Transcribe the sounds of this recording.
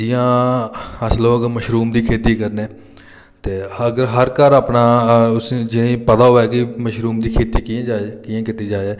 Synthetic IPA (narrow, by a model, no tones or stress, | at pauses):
d͡ʒɪjãː | əsloːəɡəɾməʃɾuːmd̪iːkʰeːt̪iːkəɾneː | t̪eːəɡəɾɦəɾkəɾaːpnaːʊsnːd͡ʒɪneĩːpəd̪aːɦoːɛːɡiməʃɾuːmd̪iːkʰeːt̪iːkɪ̃d͡ʒakɪjãːkɪt̪iːd͡ʒaːɛː